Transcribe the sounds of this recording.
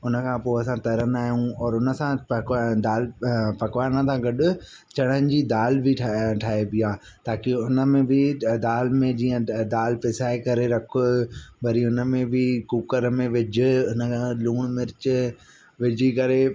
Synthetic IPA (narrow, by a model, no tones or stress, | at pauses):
ʊnə̆kʰãːpoːɐsãt̪ɐɾənaːɦjũɔːɾʊnəsãpkd̪aːlpɐkʋaːɾñət̪ʰãɡɐɗʊ | t͡ɕɐɽ̃ənɪ̆d͡ʑiːd̪aːlbʱɪʈʰʈʰaːebiaː | t̪aːkɪʊnə̆mẽbɪd̪aːlmẽd͡ʑiːə̃d̪aːlpɪsaːekɐɾeɾɐkʰʊbɐɾiʊnəmẽbʱɪkuːkəɾmẽʋɪd͡ʑʱɪ̆ʊnə̆kʰãluːɽ̃mɪɾɪt͡ɕ | ʋɪd͡ʑʱikɐɾe